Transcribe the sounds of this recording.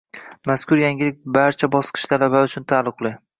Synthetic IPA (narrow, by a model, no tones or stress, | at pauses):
maskʰʊɾjaŋɪlɪk̚ʲbaɾt͡ʃʰabɒsqʰɨ̥ʃt̪ʰalabaʊt͡ʃʰʊnt̪ʰalˠɨqlˠɪ